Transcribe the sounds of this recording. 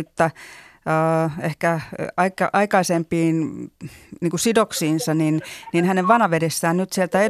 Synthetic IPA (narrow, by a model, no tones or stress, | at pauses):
t̪ːæəːehkæɑikɑʔɑikɑisempiːn | niːŋkusidoksiːnsɑninninhæneʋʋɑnɑʋedesːæːnnyt̪sielt̪æe